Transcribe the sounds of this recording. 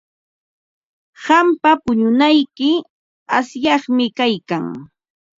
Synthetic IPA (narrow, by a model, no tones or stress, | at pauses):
ɢɑmpapʊɲʊnajkɪ | asjɑχmɪkajkaŋ